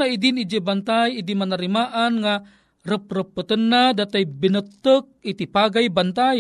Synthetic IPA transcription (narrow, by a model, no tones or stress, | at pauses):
aidinid͡ʒəbant̪ajidimanəɾimaʔanŋa | rəp̚rəpːət̪ənːadat̪ajbinət̪ːək̚it̪ipaɡajbant̪aj